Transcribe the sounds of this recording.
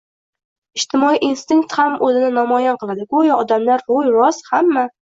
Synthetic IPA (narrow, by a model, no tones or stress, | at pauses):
ɪʃt̪ʰɪmɒiʔinst̪ɪŋk̚t̪hamʔɵzɪnɪnɒmɒjanqɨlˠad̪ɪɡʊjɒd̪amlaɾɾʊjɾɒshamːa